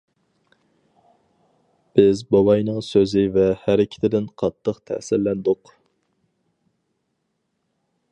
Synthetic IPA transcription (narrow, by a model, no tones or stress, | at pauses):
b̥ɪzbɑwɑjnɨŋsøzɪvɛhæɾɪkʲʰɪ̥t̪ʰɪd̪ɪnqʰɑt̪ʰːəqt̪ʰæ̰hsɪɾlɛnd̪ʊq